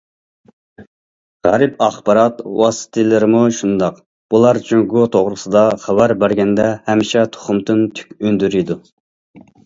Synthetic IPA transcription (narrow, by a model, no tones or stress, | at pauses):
ʁɛɾɨpɑχbɑɾɑt̪wɑ̰sɨ̥t̪ʰɨlˠɨɾɪmuʃund̪ɑq | b̥ulˠɑɾt͡ʃʰyŋɡot̪ʰoʁɾɨsɨd̪ɑχæwæɾbæɾɡʲɛnd̪ɛhɛmʃɛt̪ʰo̥χʊmd̪ɨnt̪ʰy̥kʲønd̪yɾid̪u